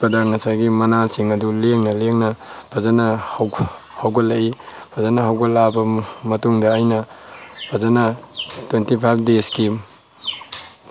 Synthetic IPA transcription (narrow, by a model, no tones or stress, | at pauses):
pɐdɐŋɐsajɡimɐnasiŋɐduleŋnɐleŋnɐpʰɐzanɐhw | hawɡɐlɐipʰɐzanɐɦawɡɐlabɐmɐtuŋdɐːjnɐpʰɐzanɐtwentipʰajp̚ʰdeski